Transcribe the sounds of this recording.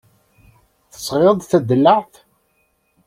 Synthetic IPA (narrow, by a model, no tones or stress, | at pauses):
θə̥sˤʁeðˤθæd̪əlːəʕθ